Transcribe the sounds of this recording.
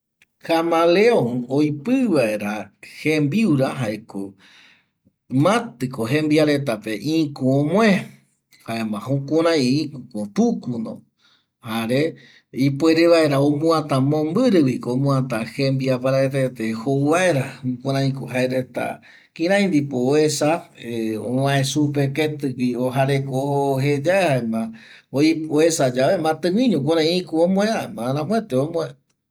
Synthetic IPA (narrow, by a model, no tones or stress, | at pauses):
xamãleoojpɨβae̞ɾahembiuɾaɦaeko | mãt̪ɨkoɦẽmbiaɾe̞t̪ape̞ʔĩkũõmw̃ẽ | haemãhũkõɾ̃ãj̃ĩkukõt̪ukunõ̰ | haɾe | ipweɾeβaeɾaomũãt̪ãmõmbɨɾɨwikoomũãt̪ãhembiapaɾaet̪et̪ehouβaeɾakoɾãĩkoɦaeɾet̪a̰ | kĩɾãĩnd̪ipoesa | õ̰wãẽsupeket̪ɨwioɦaɾekoɦed͡ʒaehaemãoioesad͡ʒaβemãt̪ɨ̃wĩɲõk̬oɾãĩĩkuõmõẽamãɾãmõẽt̪eomõea